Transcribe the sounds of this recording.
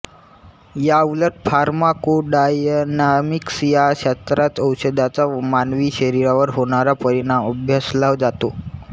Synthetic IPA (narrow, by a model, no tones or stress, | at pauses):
jauləʈfaɾmakoɖajnamiksjaɕast̪ɾat͡səwɕəd̪at͡samanʋiːɕəɾiɾaʋəɾɦoɽ̃aɾapəɾiɳaməbʱjəslaʋd͡zat̪o